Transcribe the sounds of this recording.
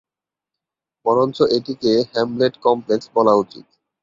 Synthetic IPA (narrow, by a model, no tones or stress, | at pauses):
pɔɾont͡ɕoʔeʈikehɛmbleʈkɔmpleksbɔlaut͡ɕḭt̪̚